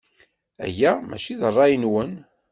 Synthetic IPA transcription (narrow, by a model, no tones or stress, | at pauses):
æ̰jæmæ̰t͡ʃiðərˤːɑjənwən